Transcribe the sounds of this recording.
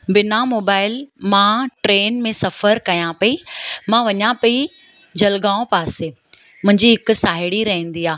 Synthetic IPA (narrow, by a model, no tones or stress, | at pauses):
bɪnamoːbaːɪlmãʈɾeːnmẽsɐfəɾkɐjãpɐimãʋɐɲãpɐi | d͡ʑʱɐlɡãːõpaːse | mʊ̃ɦɪ̃ɲd͡ʑiɦɪkʊ̆saːɦɪɽiɾɐɦẽːn̆d̪iaː